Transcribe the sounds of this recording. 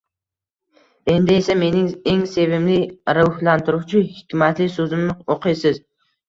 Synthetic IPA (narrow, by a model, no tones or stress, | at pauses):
e̞nd̪ɪe̞same̞nɪŋe̞ŋse̞vɪmlɪɾʊhlant̪ʰɪɾʊwt͡ʃʰɪhɪkʲʰmat̪lɪsɵzɪmnɪoqʰɨjsɪz